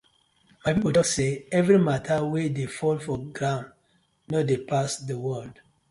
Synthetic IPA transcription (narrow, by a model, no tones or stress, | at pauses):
majpipoltɔseɛvɹimatʰawedefɔlfɔɡɹãʊ̃n | nɔdepasdəwɜld